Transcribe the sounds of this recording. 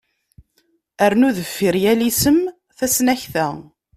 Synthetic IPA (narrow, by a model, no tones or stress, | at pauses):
æɾnuðəfːiɾjælisəm | θæsnæçθæ